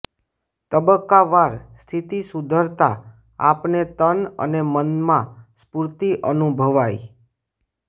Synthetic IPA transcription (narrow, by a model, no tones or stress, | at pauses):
t̪əbəkːaʋaɾst̪ʰit̪isud̪ʱəɾt̪a | a̰pnet̪ənə̰nemənmãspuɾt̪iʔənubʱəʋaj